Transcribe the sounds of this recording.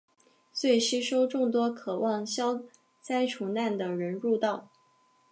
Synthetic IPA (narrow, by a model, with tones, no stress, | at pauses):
swe˥˩ɪʂɻ̩˥ʂo˥ʊʈ͡ʂʊ˥˩ŋt̪̬wɔ˥kʰɤ˨˩wʔɑ˥˩ŋɕjɑ˥ʊ | t͡sa˥ɪʈ͡ʂʰu˨˩na˥˩nd̪ə˩ɻə˧˥nɻu˥˧t̪ɑ˥˩ʊ